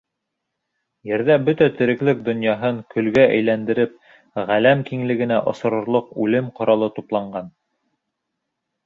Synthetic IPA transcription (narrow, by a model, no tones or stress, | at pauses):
jɘ̆ɾðæbɵt̪æt̪ɘ̆ɾɘ̆klɘk̚d̪ŏnjɑɦɤɴkɵ̆lɡæʔæ̰jlænd̪ɘ̆ɾɘp̚ | ʁælæmkiŋlɘ̆ɡɘ̆næʔŏ̰sɤ̆ɾŏɾlˠoqʉlɘmqŏɾɑlˠɤt̪uplˠɑɴɢɑn